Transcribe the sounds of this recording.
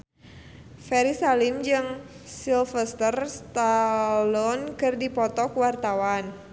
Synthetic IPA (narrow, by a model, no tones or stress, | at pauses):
fɛɾisalimd͡ʒɨŋ | silfəst̪ərst̪alɔnkɨrdipɔt̪ɔkuwart̪awan